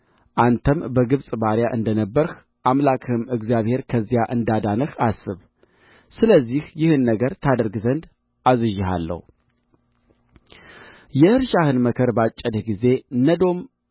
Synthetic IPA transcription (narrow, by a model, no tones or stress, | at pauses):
ʔant̪ʰəmbəɡɨβsʼbaɾjaʔɨnd̪ənəbːəɾx | ʔamlakʰʼɨhɨmɨɡzjaβhe̞ɾkʰəzːjaʔɨnd̪ad̪anəxasɨβ | sɨləzːihjɪhɨnːəɡəɾt̪ʰad̪əɾɡzənd̪ | ʔazɨʒɪha̰lːə̰hu | jɛhɨɾʃahɨnməkʰəɾbat͡ʃʼːəd̪ɡize̞nəd̪o̞m